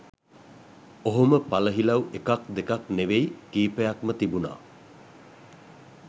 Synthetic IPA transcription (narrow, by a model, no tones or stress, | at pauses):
oɦoməpaləɦilawekak̚d̪ekakneʋejkiːpəjakmət̪ibuna̰ː